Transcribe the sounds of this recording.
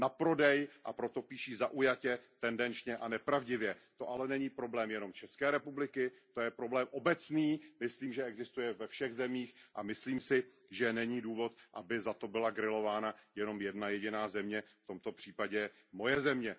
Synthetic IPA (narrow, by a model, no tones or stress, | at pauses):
napɾo̞dɛjʔapɾo̞t̪o̞piːʃiːzaʔujacɛt̪ɛndɛnt͡ʃɲɛʔanɛpɾavɟɪvjɛt̪o̞ʔalɛnɛɲiːpɾo̞blɛːmjɛno̞mt͡ʃɛskɛːɾɛpublɪkɪt̪ojɛpɾo̞blɛːmʔo̞bɛt͡sniːmɪsliːmʒɛɛɡzɪst̪ujɛvɛfʃɛɣzɛmiːxʔamɪsliːmsɪ | ʒɛnɛɲiːduːvo̞t̪ʔabɪzat̪o̞bɪlaɡɾɪlo̞vaːnajɛno̞mjɛdnajɛɟɪnaːzɛmɲɛft̪o̞mt̪o̞pr̝̥iːpaɟɛ | mo̞jɛzɛmɲɛ